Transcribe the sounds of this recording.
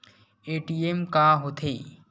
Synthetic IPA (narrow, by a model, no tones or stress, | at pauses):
eːʈiemkaːɦot̪ʰeː